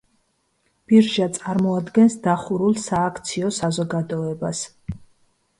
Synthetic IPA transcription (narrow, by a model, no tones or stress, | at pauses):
b̥iɾʒat̪sʼaɾmɔad̪ɡɛnsd̪aχuɾulˠsaːkʰt̪sʰiɔsazɔɡad̪ɔɛbas